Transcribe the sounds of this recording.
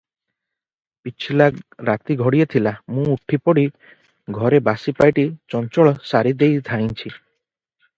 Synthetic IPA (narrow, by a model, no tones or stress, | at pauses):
pit͡ʃʰilaɾat̪iɡʱɔɽijet̪ʰilamũuʈʰipɔɽi | ɡʱɔɾebasipajʈit͡ʃɔnt͡ʃɔɭɔsaɾid̪ejd̪ʱajnt͡ʃʰi